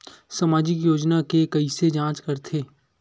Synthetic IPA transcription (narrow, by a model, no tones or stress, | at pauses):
samaːd͡ʒɪkjoːd͡ʒnakekɐised͡ʒãːt͡ʃkɐɾt̪ʰeː